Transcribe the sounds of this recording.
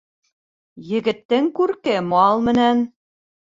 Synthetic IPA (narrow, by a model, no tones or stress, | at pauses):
jɘ̆ɡɘ̆t̪ːɘ̆ŋkurkɘmɑlˠmɘ̆næn